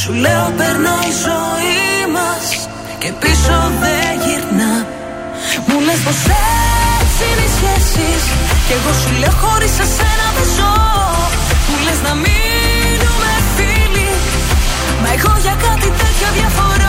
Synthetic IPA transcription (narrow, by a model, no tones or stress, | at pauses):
suleopeɾnoizo̞imɐs | ce̞pisoðeʝiɾnɐ | muleznɐsesinisçesisceɣo̞suleoxo̞ɾisesenɐðezo | muleznɐmi | numefili | mɐeɣo̞ʝɐkɐt̪it̪et̪ço̞ðʝɐfo̞ɾo